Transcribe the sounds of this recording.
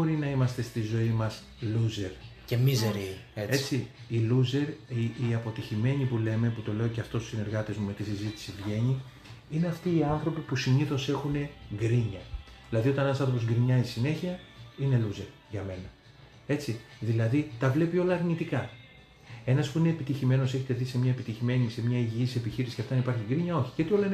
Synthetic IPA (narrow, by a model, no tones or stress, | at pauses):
oɾinɐimɐst̪e̞st̪izo̞imɐs | luze̞ɾ | cemizeɾiet͡si | iluze̞ɾiiɐpo̞t̪içime̞ɲipule̞me̞put̪o̞le̞o̞ceɐft̪o̞susine̞ɾɣɐt̪e̞zmume̞t̪isizit̪i̥sivʝe̞ɲi | ineɐft̪iːɐnθɾo̞pipusiɲiθo̞se̞xune̞ɡɾiɲɐðilɐðio̞t̪ɐne̞nɐsɐnθɾopo̞zɡɾiɲɐzisine̞çiɐine̞luze̞ɾ | ʝɐme̞nɐ | e̞t͡siðilɐðit̪ɐvle̞pio̞lɐːɾnit̪ikɐ | e̞nɐspuine̞ːpit̪içime̞no̞se̞çet̪e̞ðise̞mɲɐepit̪içime̞ɲise̞mɲɐiʝiisisepiçiɾisi̥çcɐft̪ɐnipɐɾçiɡɾiɲɐo̞çi̥ceot̪io̞lɐin